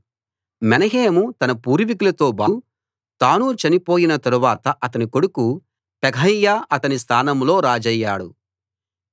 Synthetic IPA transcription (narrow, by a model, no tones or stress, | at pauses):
mɛnɐɦeːmut̪ɐnɐpuːɾʋikulɐt̪o̞ːbaː | t̪aːnut͡ʃɐnipo̞ːjinɐt̪ɐɾuʋaːt̪ɐʔɐt̪ɐniko̞ɽuku | pɛɡʱɐjːaːʔɐt̪ɐnis̬t̪ʰaːnɐmlo̞ːɾaːd͡ʒɐjːaːɽṵ